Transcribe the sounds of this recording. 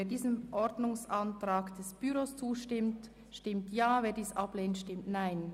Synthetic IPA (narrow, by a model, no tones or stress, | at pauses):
eːdiːzənʔɔɾdnʊŋsʔɑntʁ̥aːkd̥ɛsb̥yɾost͡suːʃtɪmt | ʃtɪmtjaːveːɐdiːsʔapleːntʃtɪmtnaɪn